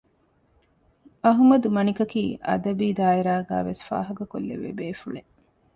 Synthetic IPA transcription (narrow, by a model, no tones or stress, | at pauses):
ɐɦumɐd̪umɐnikɐkiːʔɐ̰d̪ɐbiːd̪aːiɾaːɡa̰ːʋesfa̰ːɦɐɡɐko̰lːḛʋḛbeːfuɭe